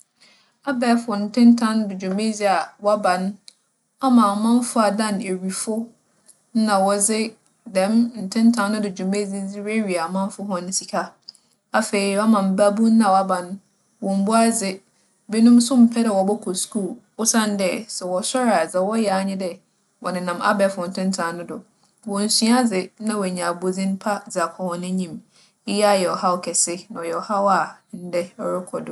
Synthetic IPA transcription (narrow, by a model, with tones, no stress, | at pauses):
a˦bɛː˦fʊ˨ɔ˨n̩˨tʰɪ̃˦ntʰã˦n˦dɪ˨d͡ʑʊ˨me˦zi˦a˨wa˦bã˨n˦ | a˦mã˨mã˦m˦fʊ˦a˨dã˦˨ne˨ɥi˨fʊ˦ | n̩˦nã˨wɔ˨d͡zɪ˦ | dɛ̃˨mn̩˨tʰɪ̃˦n˦tʰã˦nː˦ʊ̃˦dɪ˨d͡ʑʊ˨me˦d͡zɪ˦d͡zi˦ɾe˦ɾi˨a˨mã˦n˦fʊ˦ɦɔ̃˦ñ˦si˨kʰa˦ | a˨fe˨i˨wa˦mã˨m̩˨ba˦bu˦n̩˦nã˨wa˦bã˨n˦ | wɔ̃˨m̩˨bʊ˦a˦d͡zɪ˦ | be˦nʊ̃˦m˦sʊ̃˦m̩˨pʰɛ˦dɛ˨wɔ˨bɔ˦kʰɔ˨skʰu˦˨l | ʊ˦sã˦n˦dɛ˦sɛ˨wɔ˨sɔ˦ɾa˨d͡zɛ˨wɔ˦jɛ˨a˨ɲɪ̃˦dɛ˦ | wʔɔ˨nɪ̃˨nã˨ma̰˦bɛ˨fʊ˨n̩˨tʰʊ̃˦n̩˦tʰã˨nʊ̃˦dʊ˨ | wɔ̃˨n̩˨sĩ˦a˦d͡zɪ˨nã˦wɔ˨ɲã˨bo˨d͡zĩ˦n˦pʰa˦d͡za˨kʰɔ˨hɔ̃˨nɪ̃˦ɲĩ˨m | ɪ˦ja˦jɛ˨ɔ˨ha˦wkʰɛ˨sɪ˦nã˨ɔ˨jɛ˨wɔ˨ha˦wa˨n̩˦dɛ˦ɔ˦ɾɪ˦kʰɔ˨dʊ˨